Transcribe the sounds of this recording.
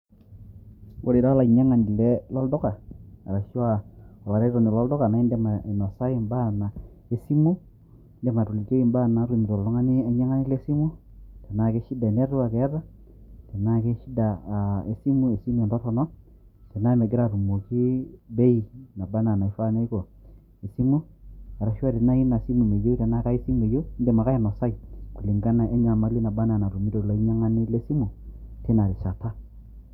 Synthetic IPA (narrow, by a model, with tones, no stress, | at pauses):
wo˨ɾi˨ɾa˦la˨i˨ɲa˦ŋa˨ni˨lɛ˦lɔ˦ldɔ˦ka˨a̰˨ɾa˨ʃwa˨ɔ˨la˨ɾe˦ɾɔ˨ni˨lɔ˦ldɔ˦ka˨na˨i˦ndɛ˦ma˨i˨nɔ˨sa˦ji˦˨mba˦na˨ | e˦si˦mu˦ | ndɛ˦ma˨to˨li˨te˦i˦˨mba˦na˨˦ɾu˦˨ni˨ɾɔ˨lɔ˦ŋa˦ni˦a˨˦ɲa˦ŋa˦nɪ˦le˦si˦mu˦ | te˨na˦˨ke˦ʃi˦da˨nɛ˦ɾu˦wa˨kɛ˨˦ta˦ | te˨na˦ke˦ʃi˦da˨e˨si˦mu˦e˨si˦m˦˨ɛ˨ndɔ˦tɔ˨nɔ˦ | tɛ˨na˦me˨ɡɪ˦ɾa˨tu˨mu˨ki˦be˦i˨na˨ba˦na˨na˨i˨˦fa˦na˦i˦kɔ˨ | i˨si˦mu˦a˨ɾa˨˦ʃa˦te˨na˦i˦na˨si˦mu˨me˨jo˦tɛ˨na˦ka˦i˦si˦m˨e˨jo˦de˨ma˨ka˦ɛ˨nɔ˨sa˦i˨ku˨li˨ŋɡa˦na˨ʔe˦ɲa˨ma˦li˦na˨ba˦na˨na˨tu˨mi˦to˨lɔ˨˦i˦ɲa˦ŋa˦nɪ˦le˦si˦mu˨te˦na˨ɾi˨ʃa˨ta˦